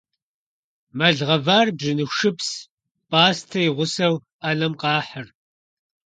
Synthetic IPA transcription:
mɐɮʁɐvaːrbʐɨnɨʃɨps | pʼaːstʰɐjɪʁʷʊsɐw | anɐmqɑːħɐr

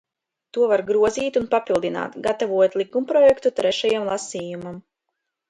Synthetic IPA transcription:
t̪uɔvaɾɡɾuɔziːt̪unpapilˠd̪ina̰ːt̪ɡat̪avuɔt̪ʲlˠikumpɾɔjɛkt̪ut̪ɾɛʃajamlˠasiːjumam

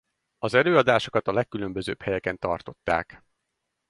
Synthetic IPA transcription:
ɒzɛløːɒd̪aːʃo̞kɒt̪ɒlɛkːylø̞mbø̞zø̰ːphɛjɛkɛnt̪ɒ̰rt̪o̞t̪ːa̰ːk

